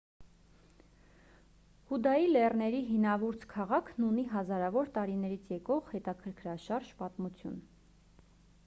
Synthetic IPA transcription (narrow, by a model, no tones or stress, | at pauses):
hud̪ɑjilɛrnɛɾiɦinɑvuɾt͡sʰkʰɑʁɑkʰnuniɦɑzɑɾɑvɔɾt̪ɑɾinɛɾit͡sʰjɛkɔʁhɛt̪ɑkʰəɾkʰɾɑʃɑɾʒpɑt̪mut͡sʰjṵn